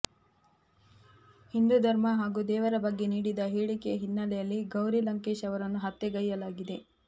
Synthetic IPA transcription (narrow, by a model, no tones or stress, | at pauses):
hind̪ud̪ʱɐɾmɐɦaːɡud̪ɛːʋɐɾɐbɐɡːe̞niːɽid̪ɐɦeːɭikejɐɦinːɐlɛjɐlːiɡɐwɾilɐŋkeːʃɐʋɐɾɐnːuɦɐt̪ːeɡɐjːɐlaːɡid̪e̞